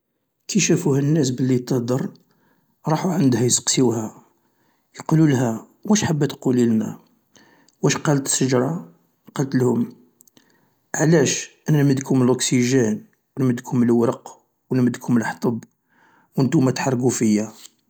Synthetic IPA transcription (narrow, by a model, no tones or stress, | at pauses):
kʰiʃæfuhənːæs̬bəlːit̪əhd̪ɑɾˤ | ɾˤɑħuʕand̪hæjsə̥qsiwhæ | jqululɦæ | wæʃħabːæt̪qulilnæ̰ | wæʃqɑlət̪ə̥ʃːəʒɾˤɑ | qɑlt̪lhʊm | ʕlæʃʔənænməd̪khʊməlʔʊksiʒæn | wənməd̪khʊməlwɾəq | wənməd̪kʰhʊməlħt̪ˤəb | wənt̪umæt̪ħɑrˤːɡufəjːæ